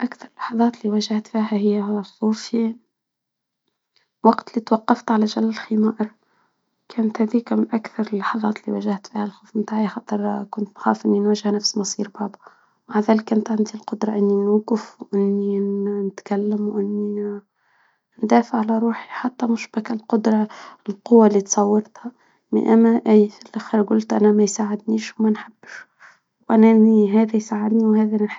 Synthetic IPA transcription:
ʔakθɑɾˤlːɑ̥ħɑðˤɑːt̪liwæʒaht̪fiːɦæhɪjːæɦlxuːfi | wɑɡt̪liːt̪wɑqːɑft̪ʕalæʒælælɪlximɑːʔɾ | kæːnt̪hæːðiːkmɪnʔakθɑɾˤɪlːɑħɑðˤɑ̰ːt̪liwæʒaht̪fiːhælxuːfmt̪aːʕijxɑt̪ˤəɾkʊnt̪mxa̰ːfʔɪnːinwæʒɪhnæfsmɑsˤiːɾbɑʕd̪ˤu | maʕðæːlɪkʔɪnt̪ʕɪnd̪ilqʊd̪ɾˤɑʔɪnːinuːɡəfwʔɪnːinɪt̪kælːəmwʔɪnːi | nd̪æːfəʕːalæɾˤuːħiħat̪ːæmʊʃbækælqʊd̪ɾˤɑlqʊwːalːit̪sˤɑwːɑɾt̪hæ | mɪ̰nʔæmːæʔæjfilʔæxiɾɡʊlt̪ʔænæmæjsaʕɪd̪niːʃwmænħab̥ːʃ | wʔænæʔɪnːiɦæːðæjsaʕɪd̪niwhæːðæħ

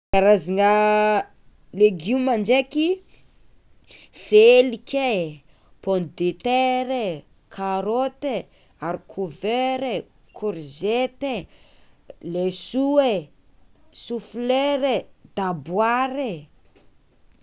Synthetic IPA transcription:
aɾaziŋa | leɡumand͡ʒeki | felikʲe | pɔnd̪et̪eɾe | kʰaɾot̪e | aɾikʰuveɾe | kʰoɾzet̪e | lesue | sufleɾed̪abwaɾe

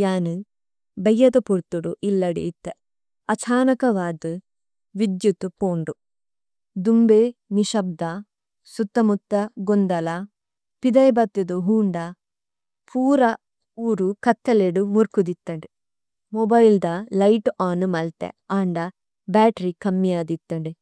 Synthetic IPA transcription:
jaːnu | bɐjːɐt̪ɐpuɾt̪ːuɽuʔilːɐɽḭit̪ːe | ɐt͡ʃʰaːnɐkɐʋaːd̪u | ʋid̪jut̪upoːɳɖu | d̪umbeniʃɐb̚d̪ɐ | sut̪ːɐmut̪ːɐɡond̪ɐlɐ | pid̪ɐjbɐt̪ːud̪uɦuːɳɖɐ | pʰuːɾɐ | uːɾukɐt̪ːɐleɖumuɾkud̪it̪ːɐɳɖi | mɔbɐjld̪ɐlɐjʈaːnumɐlt̪ḛaːɳɖɐ | baːʈɐɾikɐmːijaːd̪it̪ːɐɳɖi

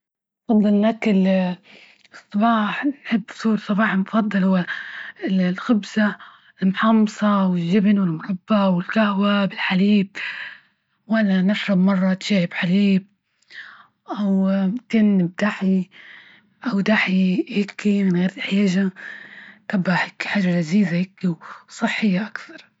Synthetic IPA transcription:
nfɑd̪ˤːɨlnʔakɪl | ɨsˤːɑbɑːħnħɪbːsuːɾsˤɑbɑːħɪlmʊfɑd̪ˤːɨlhʊwːa | lxɪbsa | ɪlmʊħɑmːsˤɑwɪlːɪbnwɪlmʊɾˤɑbːawɪlkahwabɪlħaliːb | wʔalːanɪʃɾɑbmɑrˤːɑt̪ʃaːhɪbħaliːb̚ | ʔawk̪ɪnɪbd̪aħi | ʔawd̪aħihɪkːimɪnɣeːɾɪħjaːʒa | kabːaħɪkːi̥ħaːʒːalaziːzajɪkːiwsˤɨħːɪjːaʔakθɑɾˤ

